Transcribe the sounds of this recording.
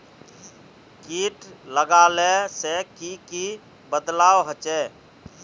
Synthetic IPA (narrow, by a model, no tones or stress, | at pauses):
kiːʈləɡaːlesekiki | bəd̪laːwɦət͡ʃɛ